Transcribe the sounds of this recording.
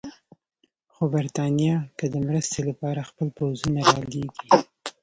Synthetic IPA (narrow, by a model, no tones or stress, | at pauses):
xobaɾt̪ɑnjɑkəd̪əmɾəst̪elapɑɾaxpəlpawzunaɾɑleɡi